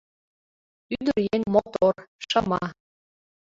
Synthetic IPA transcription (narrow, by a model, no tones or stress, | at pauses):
yd̪ərjeŋmot̪orʃɤmɑ